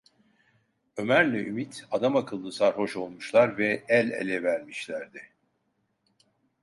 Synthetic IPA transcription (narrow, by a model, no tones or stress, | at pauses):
ø̞mæɾlʲɛʔymit̪ʰad̪amakʰɯlˠːɯsaɾho̞ʃo̞lˠmuʃlˠaɾvɛɛlʲḛlʲɛvæɾmiʃlʲæɾd̪ɪ